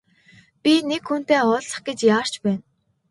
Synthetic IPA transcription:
pʲinekxun̥t̪eːɔɮsə̥̆χɡ̥et͡ɕjaːr̥t͡ɕpæːn

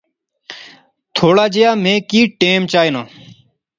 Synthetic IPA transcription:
t̪ʰoːɽaːd͡ʒejaːmẽːkiːʈeːmt͡ʃaːiːnoː

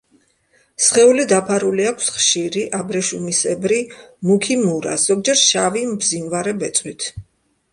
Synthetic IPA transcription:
sχɛulid̪apʰaɾuliakʰsχʃiɾiʔabɾɛʃumisɛbɾimukʰimuɾa̰sz̥ɔɡ̚d͡ʒɛɾʃavimbzinvaɾɛbɛt̪sʼwit̪ʰ

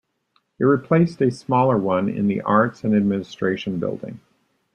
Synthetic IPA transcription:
ɨt̚ɹipʰl̥eɪstɨsmɔlˠə˞wʌ̃nɪ̰̃nðḭʔɑɹtsɨ̃nɨd̚mɪ̃nɨstɹ̥eɪʃɨ̃n̩bɪ̰lˠdɪ̰̃ŋ

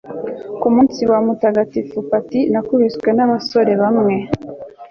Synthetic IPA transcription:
kumuːnsiwamutaɡatifupatinakuβisɡwe̞naβaso̞ɾe̞βamŋe̞

